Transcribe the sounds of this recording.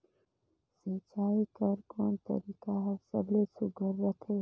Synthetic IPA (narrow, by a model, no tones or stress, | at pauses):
sĩːt͡ʃaːikəɾkoːnt̪ə̰ɾiːkaɦɐɾsə̰blesʊɡəɾːək̪ʰeːk